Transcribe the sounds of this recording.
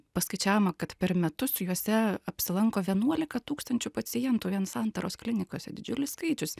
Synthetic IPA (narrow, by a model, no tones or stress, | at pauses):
pɐskɐɪt͡ʃʲæːʋomɐkɐt̪pʲɛɾmʲɛt̪ʊsʊjuɔsʲɛɐpʲsʲɪlˠɐŋkoːʋʲiɛnuɔlʲɪkɐt̪uːkst̪ɐnʲt͡ʃʲʊpɐsʲɪjɛnt̪uːʋʲiɛnsɐnt̪ɐɾoːsklʲɪnʲɪkoːsʲɛd̪ʲɪd͡ʒʲʊlʲɪsskɐɪt͡ʃʲʊs